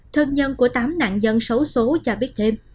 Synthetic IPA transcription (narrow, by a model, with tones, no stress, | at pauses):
t̪ʰɨ˧ŋɲə˧nku˧˩ət̪aː˨˦mna̰ː˧˨ŋɲə˧nsə˨˦wso˨˦t͡ɕaː˨˧˩ɓi˦˥ət̚t̪ʰe˧m